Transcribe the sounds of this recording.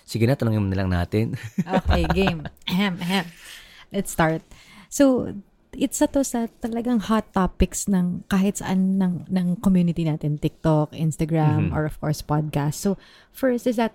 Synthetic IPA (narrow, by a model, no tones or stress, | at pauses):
siɡɪnat̪ɐnoŋɪnmɐnɪlɐŋna̰ːt̪ɪnʔokejɡemɐhɛmʔɐhɛmlɛt̪st̪aɹt̪̚sow | ʔɪt̪sɐt̪o̞sɐt̪ɐlɐɡɐŋhat̪ːapɪksnɐŋkaːhɪt̪sɐ̰ʔanːɐŋnɐŋkomjuːnɪt̪inaːt̪ɪnt̪ɪk̚t̪okʔɪnst̪ɐɡɹamɔɹɔv̥kɔɹspad̪̚kast̪so | fɛɹst̪ɪsd̪ɐt̪̚